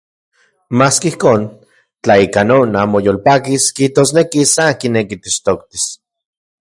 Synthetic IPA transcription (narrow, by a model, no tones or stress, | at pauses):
maːskihkoːn | t͡ɬaikanoːnaːmojolpaːkiskiht̪oːsnekisakinekit̪iʃt̪okt̪i̥s